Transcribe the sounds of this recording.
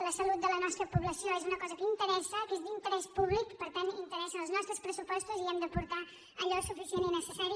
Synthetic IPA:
ləsəlut̪̚d̪ələnɔst̪ɾəpuβləsioezunəkɔzəkəint̪əɾɛsəkezd̪int̪əɾɛspuβlikpəɾt̪anint̪əɾɛsəəlˠznɔst̪ɾəspɾəsupɔst̪uziɛmd̪əpuɾt̪a | əʎɔsufisieninəsəsaɾi

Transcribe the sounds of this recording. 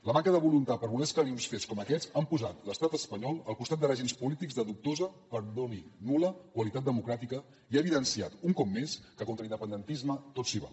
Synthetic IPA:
ləmaŋkəðəβulunt̪apəɾβuleskəniusfeskɔməkɛzampuzat̪ləst̪at̪əspəɲɔlˠəlˠkust̪at̪d̪əraʒenspulit̪ikɡzðəðuk̚t̪ozəpəɾðoninuləkwəlit̪at̪̚d̪əmukɾat̪ikə | iaβiðənsia̰t̪uŋkɔpmeskəkont̪ɾəind̪əpənd̪ənt̪izmət̪otsiβa̰

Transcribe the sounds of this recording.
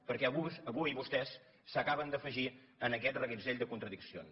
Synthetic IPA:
pəɾkɛəβusəβuiβust̪ɛsː | əkaβənd̪əfəʒi | ənəkɛt̪rəɣinzeʎʲd̪əkunt̪ɾəðiksio̰ns

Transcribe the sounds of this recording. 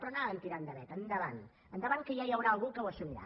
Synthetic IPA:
pɾonaənt̪iɾand̪əβɛt̪ənd̪əβan | ənd̪əβankəjajawɾaːlˠɣukəwəsumiɾa̰

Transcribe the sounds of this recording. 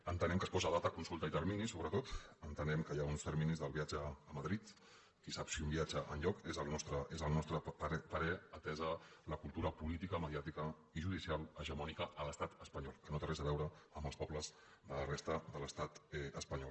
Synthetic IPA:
ənt̪ənɛmkəspɔzəðat̪əkunsulˠt̪əit̪əɾminisoβɾət̪ot̪ənt̪ənɛmkəjaunst̪əɾminizðəlˠβiad͡ʒəːməðɾit̪ | kisapsiumbiad͡ʒəʔənʎɔkezəlˠnɔst̪ɾəezəlˠnɔst̪ɾəpəɾɛət̪ɛzələkulˠt̪uɾəpulit̪ikəməðiat̪ikə | iʒuð̞isialəʒəmɔnikəʔələst̪at̪əspəɲɔlˠkənot̪ərɛzəβɛwɾəəmbəlˠspɔpləz | ðələrɛst̪əðələst̪at̪ɛəspəɲɔl

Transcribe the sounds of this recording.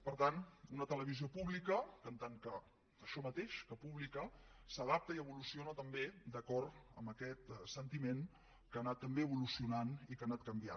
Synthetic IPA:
pəɾt̪anunət̪ələβiziopuβlikəkənt̪aŋkəː | ʃɔmət̪eʃkəpuβlikəsəðap̚t̪əiəβulusionət̪əmbed̪əkɔɾt̪ə̰mbəkɛt̪sənt̪imen | kanat̪ːəmbeəβulusiunanikanat̪̚kəmbia̰

